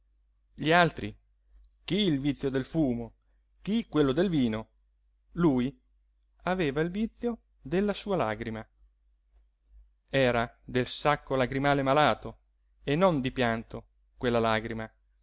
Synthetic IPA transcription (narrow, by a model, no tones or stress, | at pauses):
ʎialt̪ɾi | k̟iːlvit̪sːjod̪elfuːmo | k̟ikːwelːod̪elviːno | luːj | aveːvailvit̪sːjo | d̪elːasuːalaɡɾima | ɛːɾad̪elsakːolaɡɾimaːlemalaːt̪o | enond̪ipjant̪o | kwelːalaɡɾima